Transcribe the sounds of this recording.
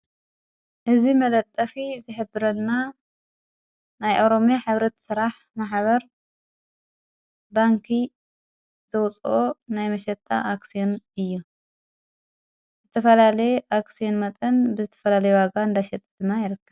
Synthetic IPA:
ʔɨzimɐlɐt̪ʼːɐfizɨħɨbːɨɾɐnːa | najʔoɾo̞mjaħɨβɾɐt̪sɨɾaħ | maħβɐɾ | baŋkʰi | z̥ɐwt͡sʼʔonajmɐʃɐt̪ʼʰːa̰ʔaksijonɨjːu | zɨt̪ʰɐfɐlalɐjeʔaksijo̞nmɐt̪ʼɐnbɨzɨt̪ʰɐ̥fɐlalɐjuwaɡaɨnd̪aʃɛt̪ʼd̪ɨmːajɪɾɨkːɐβ

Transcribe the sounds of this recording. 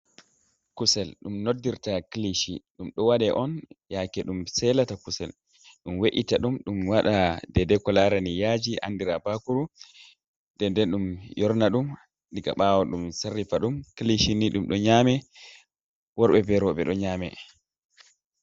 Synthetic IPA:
kusɛlɗumnodːiɾtakliʃiɗumɗɔwaɗɛʔɔnjakɛɗumsɛlatakusɛ̰l | ɗumweʔitaɗumɗumwaɗadɛdɛkɔlaɾanijad͡ʒiʔa̰ndiɾabakuɾu | d̥ɛndɛɗumjɔɾnaɗum | ɗiɡa̰ɓawɔɗumsarːifaɗumkliʃiniɗumɗɔɲaːmɛ | wɔɾɓɛbɛɾɔɓɛ̰ɗɔɲaːmɛ

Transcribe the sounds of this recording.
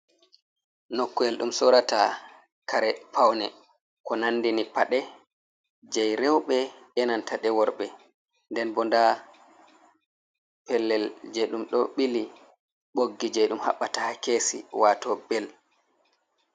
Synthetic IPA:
nokːɔɛlɗumsɔɾata | kʰaɾɛpʰawnɛ | kɔnanːdinipaɗɛ | d͡ʒɛjɾɛwɓɛ | ɛnantaɗɛwɔɾɓɛ | ndɛnbɔnda | pɛlːɛld͡ʒɛjɗumɗɔɓili | ɓoɡːid͡ʒɛjɗumha̰ɓːatahakesḭwaːtɔbɛl

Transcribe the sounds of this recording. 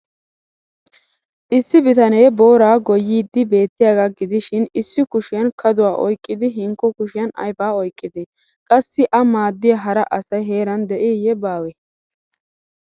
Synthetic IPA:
ʔɪsːɪbɪt̪ɐneːbo̞ːɾaːɡɔjiːd̪ːɪbe̞ːt̪ːɪjaːɡaːɡɪd̪ɪʃɪnɪsːɪkʊʃɪjɐnkʰɐd̪ʊwaːʔɔjkʼːɪd̪ɪɦɪŋkːɔkʊʃɪjɐnɐ̰jfaːɔjkʼːɪd̪ɪ | kʼɐsːɪʔɐmaːd̪ːɪjɐɦɐɾɐʔɐsɐjɦe̞ːɾɐnd̪ɛʔɪjɛbaːwɛ

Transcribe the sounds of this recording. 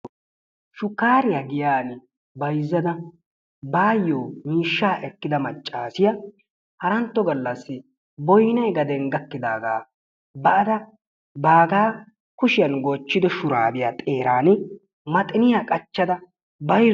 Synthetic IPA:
ʃʊkːaːɾɪjaɡɪjaːnɪ | bɐjzːɐd̪ɐ | baːjːoːmiːʃːaːʔɛkːɪd̪ɐmɐt͡ʃʼːaːsɪjɐ | hɐɾɐnt̪ːɔɡɐlːɐsːɪ | bɔjnɐjɡɐd̪ɛŋɡɐkːɪd̪a̰ːɡa̰ː | bɐʔɐd̪ɐ | baːɡaː | kʊʃɪjɐnɡoːt͡ʃːɪd̪ɔʃʊɾa̰ːbɪjat̪ʼe̞ːɾaːn | mɐt̪ʼɪnɪjakʼɐt͡ʃːɐd̪ɐ | bɐj

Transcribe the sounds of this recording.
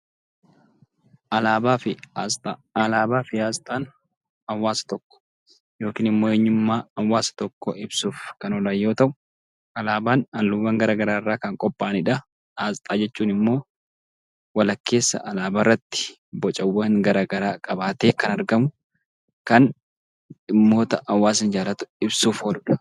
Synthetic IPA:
ʔɐlaːbaːfɪt̪ːɐlaːbaːfɪaːst̪ʼaːn | ɐwːaːsɐ̥t̪ɔkːɔ̥ | jo̞ːkiːnɪmːo̞ːeɲːʊmːaːɐwːaːsɐ̥t̪ɔkːɔʔɪbsuːfkɐnɔlaːjo̞ːt̪ɐʔʊ | ɐlaːbaːnɐlːʊwːɐːŋɡɐɾaːɡɐɾaːɪrːaːkɐŋkʼɔpʼːaːnɪᶑɐ | azt̪ʼaːd͡ʒɛt͡ʃːuːnɪmːo̞ː | wɐlɐkːe̞ːsːɐ̰ʔɐlaːbaːrːɐt̪ːɪ̥ | bɔt͡ʃʼɐwːɐŋɡɐɾaːɡɐɾaːkʼɐbaːt̪eːkɐnɐɾɡɐmʊ | kɐn | ɪmːo̞ːt̪ɐʔɐwːaːsɪnd͡ʒaːlɐt̪ʊ̥ɪbsuːfhoːlʊᶑɐ̥

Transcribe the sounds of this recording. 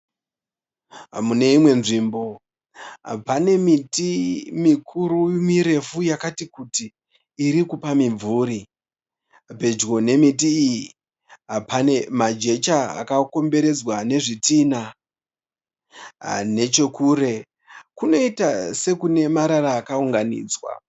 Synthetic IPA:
mune̞imwe̞nʐiːmbo̞̰ | pane̞mitimikʰuɾumiɾe̞fujakatikutiː | ɾikupamiɱvuːɾi | pe̞d͡ʒɡo̞ne̞mit̬iːji | pane̞mad͡ʒe̞t͡ʃaa̰kako̞mbe̞ɾe̞d͡zwane̞ʐitina | ne̞t͡ʃe̞kuːɾe̞ | kuno̞itase̞kune̞maɾaɾaːkauŋɡanḭːd͡zwa̰

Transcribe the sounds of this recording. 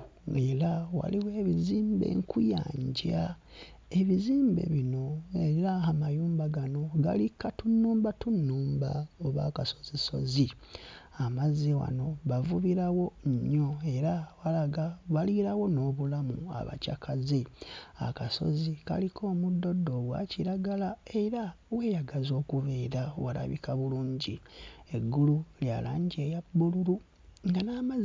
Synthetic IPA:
elawa̰liwe̞ːβiziːmbe̞̰ŋkuja̰ːɲɟa | e̞βiziːmbe̞̰βino̞eɾaamajuːmbaɡano̞ɡa̰likatunːuːmbatunːuːmba̰oβa̰ːkaso̞̥ziso̞̰zi | amaziwa̰no̞βavuβiɾawo̞ɲo̞e̞ɾawaβaliɾawo̞no̞ːβulamṵa̰βa̰ca̰kʰazea̰kaso̞̰zika̰likʰo̞ːmudːo̞dːo̞βwa̰ciɾaɡalae̞ɾa | we̞ːjaɡazo̞ːkuβeːɾawala̰βḭkaβuluːɲɟie̞ɡːululjalaːɲɟe̞jabːuluɾu | ŋɡanaːmaz

